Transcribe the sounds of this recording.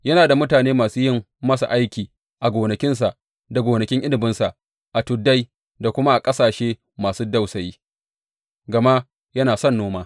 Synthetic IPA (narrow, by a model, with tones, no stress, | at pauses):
jɐ˦naː˨da˨mʊ˦taː˨neː˦maː˨suː˦jɪ˦m | mɐ˦sa̰˨ʔa˦jkʲiː˨ | ʔa˨ɡʷoː˨nɐ˨kʲɪ˦ns̬a˨ʔ | da˨ɡʷoː˨nɐ˨kʲɪ˦ŋʔɪ˦lɪ˨bɪ˦nsa˨ʔ | ʔa˨tʊ˨dːa˦j | da˨kʷʊ˦ma˦ʔa˨kʼɐ˦saː˨ʃeː˦ | maː˨suː˦da˦wsɐ˨jiː˦ | ɡɐ˨ma˦ | jɐ˦naː˨sɔ˦˨nːoː˦maː˦